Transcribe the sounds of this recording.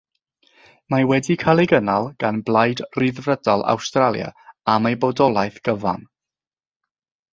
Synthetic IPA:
mawɛdikʰalˠeɡənalˠɡ̥anblˠajdriðvrədalˠa̰wstralˠja̰amejbɔdɔlˠajθɡ̥əva̰n

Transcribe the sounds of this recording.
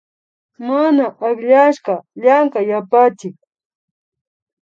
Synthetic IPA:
manaʔaχʎaʃɢɑʎaŋkajapat͡ʃɪk̚

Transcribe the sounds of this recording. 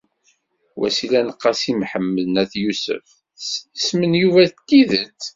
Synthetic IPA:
wʔæ̰silænəqːɑsimħəmːəðnæθjusə̰f | ismənjuvæt̪ːiðət͡sː

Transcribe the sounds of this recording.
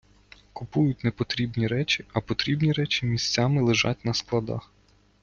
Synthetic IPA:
kʊpujʊt̚ʲnepɔt̪ɾʲibnʲiɾɛt͡ʃʲiɐpɔt̪ɾʲibnʲiɾɛt͡ʃʲi̥mʲisʲt͡sʲamɪlˠɪʒɑ̰t̚ʲnɐsklˠɐd̪ɑ̰x

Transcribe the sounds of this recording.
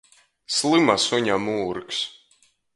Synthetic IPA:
slˠɨmasuɲamuːɾks

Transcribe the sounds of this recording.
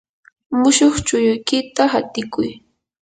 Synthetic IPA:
mʊʃoχt͡ʃʊjʊjkɪt̪aɦat̪ɪkʊj

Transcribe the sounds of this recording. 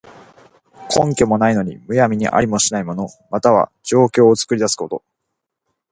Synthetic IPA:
kʰõ̞ŋkʲo̞mo̞naino̞ɲ̟ḭmɯ̟jamʲiɲ̟ḭʔa̰ɾʲimo̞ɕinaimo̞no̞mat̪aβ̞a̰d͡ʑo̞ːkʲo̞ːt͡sɨ̥kɯ̟ɾʲid̪asɨ̥ko̞t̪o̞̰

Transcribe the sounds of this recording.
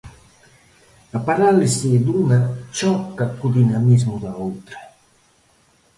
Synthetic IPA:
apaɾalesiːd̪unat͡ʃɔkːakud̪inamizmud̪aowt̪ɾe

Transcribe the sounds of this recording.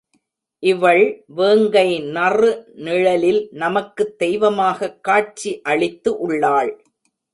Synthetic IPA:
ʔɪʋɐɭʋeːŋɡɐɪnɐrɯnɪɻɐlɪlnɐmɐkːɯd̪̥ɛjʋɐmaːɣɐkːaːʈ̚t͡ʃiʔɐɭɪt̪ːɯʔʊɭːaːɭ

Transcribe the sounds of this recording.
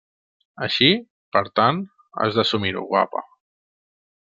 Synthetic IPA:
əʃi | pəɾt̪an | a̰zðəsumiɾṵɣwa̰pə̰

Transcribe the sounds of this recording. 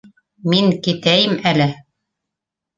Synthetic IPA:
miŋkit̪æjɘmælɘ

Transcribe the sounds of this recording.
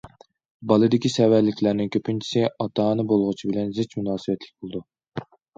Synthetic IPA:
bɑlˠɨd̪ɪkʲisɛvæɾlːɪkʲʰlæɾnɪŋkʲʰøpʰynt͡ʃʰi̥sɪɑt̪ʰɑːnɨbolˠʁʊt͡ʃʰibɪlɛnzɪt͡ʃmunɑːsɨbɛt̪lɪ̥kʲbolˠɨd̪u

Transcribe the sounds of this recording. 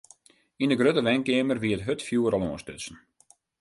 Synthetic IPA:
indəɡrøtəʋɛŋkeːmərʋiətɦøtfjuːəɾɔlˠoənstøsən̩

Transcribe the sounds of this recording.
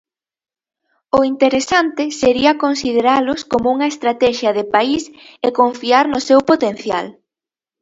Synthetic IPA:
ʊint̪eɾesant̪ɪseɾiɐkonsið̞eɾalʊskomʊuŋɐest̪ɾat̪ɛʃjɐðɪpaisekoɱfiaɾnʊsewpot̪en̟θja̰l

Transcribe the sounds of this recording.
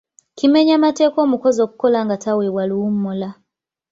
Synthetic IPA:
kime̞ɲamate̞ːko̞ːmuko̞zo̞ːku̥ko̞laŋɡatawewaluwumːola

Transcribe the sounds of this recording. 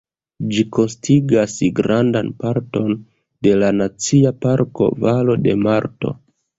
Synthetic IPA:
d͡ʒiko̞nstiɡasɡɾandanpaɾto̞n | de̞lanat͡siapaɾko̞̰valo̞de̞̰maɾto̞̰

